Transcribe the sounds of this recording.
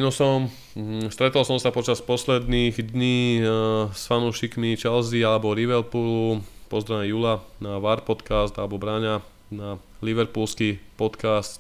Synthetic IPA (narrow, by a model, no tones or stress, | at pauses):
nɔsɔm | st̪ɾɛt̪ɔlsɔmsapɔt͡ʃaspɔslɛd̪niːɣd̪ɲiː | sfanuːʃikmit͡ʃɛlzialɛbɔɾiʋɛlpulupɔzd̪ɾanɛjuːlanaʋaɾpɔt̪kast̪alɛbɔbɾaɲa | na | liʋɛɾpulskipɔt̪kast̪